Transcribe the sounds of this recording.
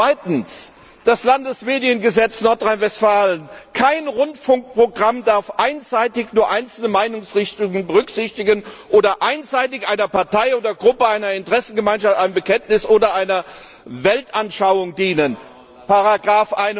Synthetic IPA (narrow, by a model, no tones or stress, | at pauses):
v̥aɪtn̩s | d̥aslandəsmeːdiənɡəzɛt͡snɔɐtʁ̥aɪnvɛstfaːlənkʰaɪnʁʊntfʊŋk̚pʁ̥oɡʁamdaɐfʔaɪnz̥aɪtɪçnuːɐʔaɪnt͡sl̩nəmaɪnʊŋsʁɪçtʊŋənbəʁʏkz̥ɪçtɪɡənʔoːdɐʔaɪnzaɪtɪçʔaɪnɐpʰaɐtʰaɪoːdɐɡʁʊpəaɪnɐɪntʁ̥ɛsn̩ɡəmaɪnʃaftaɪmbəkʰɛntnɪsʔoːdɐʔaɪnɐ | vɛltʔanʃaʊʊŋdiːnən | pʰaʁaɡʁaːfʔaɪn